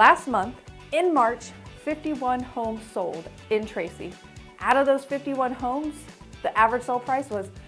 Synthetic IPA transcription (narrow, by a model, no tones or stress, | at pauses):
læst̚mʌ̃nθ | ɪ̃nmɑɹt͡ʃfɪftiwʌ̃nhõʊ̃msoʊlˠd | ɨ̃ntʰɹ̥eɪsḭ | ʔaʊɾʌvðoʊz̥fɪftiwʌ̃nɦõʊ̃mz̥ | ðiʔævɹɨd̥sɛlˠpʰɹ̥aɪswʌz̥